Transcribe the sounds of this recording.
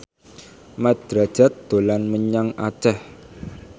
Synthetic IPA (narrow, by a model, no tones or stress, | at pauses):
mad̪̥ɾḁʒ̥a̤t̪̚d̪̥o̤lanməɲaŋat͡ʃɛh